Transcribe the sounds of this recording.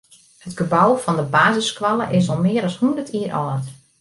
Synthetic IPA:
hətɡ̥əbɔwfɔndəbaːzəskʋalˠəʔɪsɔlˠmɪəɾɔshundərtʰiːərʔɔːt

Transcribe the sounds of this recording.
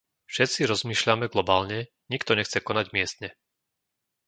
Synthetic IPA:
fʃɛt̪t͡siɾɔzmiːʃlamɛɡlɔbaːlɲɛ | ɲikt̪ɔɲɛxt͡sɛkɔnaɟmɪɛst̪ɲɛ

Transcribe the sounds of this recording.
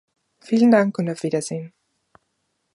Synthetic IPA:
fiːləndaŋkʊntaʊfv̥iːdɐz̥eːn

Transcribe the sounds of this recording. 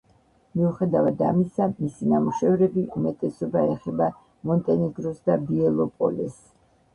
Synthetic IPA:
miuχɛd̪avad̪a̰misamisinamuʃɛvɾɛbiʔumɛt̪ʼɛsɔbaɛχɛba | mɔnt̪ʼɛniɡɾɔsd̪abiɛlˠɔpʼɔ̰lɛs

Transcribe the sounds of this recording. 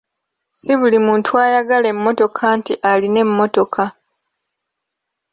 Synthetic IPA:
siβulimuːntuaːjaɡalemːo̞to̞kʰantiʔaline̞mːo̞to̞kʰa

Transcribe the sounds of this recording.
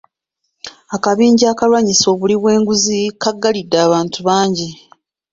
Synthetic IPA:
akaβiːɲɟaːkalwaɲiso̞ːβuliβwe̞ːŋɡuzikaɡːalidːaːβaːntuβaːɲɟi

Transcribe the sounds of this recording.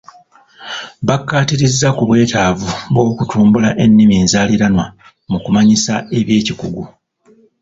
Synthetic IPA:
βakːaːtiɾizːakuβwe̞ːtaːvuβo̞ːkutuːmbulaʔe̞nːimiːnzaːliɾanwa | mukumaɲisae̞βje̞ːcikuɡu

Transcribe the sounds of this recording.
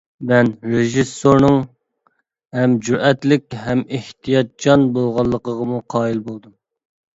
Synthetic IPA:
mɛnɾeʒisːoɾnɨŋ | hɛmd͡ʒuɾʔɛt̪lɪk̚ʲhɛmeht̪ʰijɑt̪̚d͡ʒɑnbolˠʁɑlˠːəqəʁəmuqʰɑːilbolˠd̪um

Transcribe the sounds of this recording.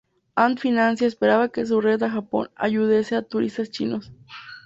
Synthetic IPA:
ant̪finãnsjaespeɾaβakes̬uret̪axapo̞̰na̰ʝuðeseat̪uɾḭst̪ast͡ʃinos

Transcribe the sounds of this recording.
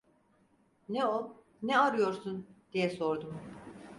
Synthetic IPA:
nɛo | nɛaɾɯjo̞ɾsund̪̥ijɛso̞ɾd̪um

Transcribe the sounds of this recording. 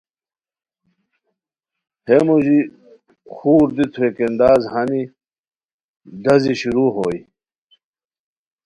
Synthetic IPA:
hemuʑi | xuːɾd̪it̪ʰuekend̪aːzhɐni | d̪ɐziɕuɾuːɦoːj

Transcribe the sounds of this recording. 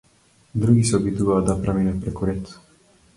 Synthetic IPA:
d̪ɾuɡisobid̪uad̪apɾaminɛpɾekuɾɛt̪

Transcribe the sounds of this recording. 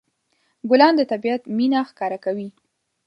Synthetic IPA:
ɡʊlɑnd̪ət̪abiat̪minaxkɑɾakawi

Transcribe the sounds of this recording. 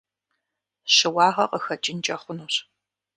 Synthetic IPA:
ɕɪwɑːʁɐqʼəxɐt͡ʃʼɪnt͡ʃʼɐχʷʊnuːɕ

